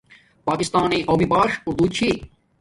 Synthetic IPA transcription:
paːkɪst̪aːniːʔoːmibaːʃʊɾd̪uːd̪̚t͡ɕʰiː

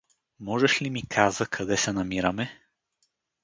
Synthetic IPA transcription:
mɔʒɛʃlimikʰazəkʰɐd̪ɛsɛnɐmiɾəmɛ

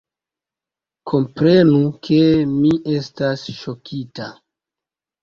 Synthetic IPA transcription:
kʰo̞mpɾe̞nukʰe̞miʔe̞stasʃo̞kʰita

